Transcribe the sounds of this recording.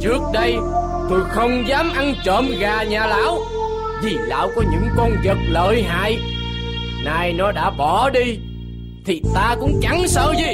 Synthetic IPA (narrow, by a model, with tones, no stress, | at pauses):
t͡ɕɨ˦˥ək̚ɗə˧j | t̪o˧jxə˧wŋ͡mzaː˨˦mʔa˧nt͡ɕəː˧˨mɣaː˨˩ɲaː˨˩la̰ː˧˥w | vi˨˩la̰ː˧˥wkɔ˨˦ɲɨ̰˧˥ŋkɔ˧nzə˨˩k̚lə̰ː˧˨jɦa̰ː˧˨j | naː˨˩jnɔ˨˦ɗa̰ː˧˥ɓɔ˧˩ɗi˧ | t̪ʰi˨˩t̪aː˧kʊ̰˧˥ŋ͡mt͡ɕa˨˦ŋsəː˧wzi˨˩